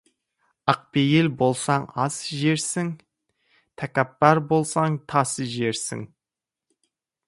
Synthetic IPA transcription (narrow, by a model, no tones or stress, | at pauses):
ɑq̚pejɪlbo̞lˠsɑɴɑsʒe̞ɾsɪŋ | t̪ʰækʲapːɑɾbo̞lˠsɑɴt̪ʰɑsəʒe̞ɾsɪ̰ŋ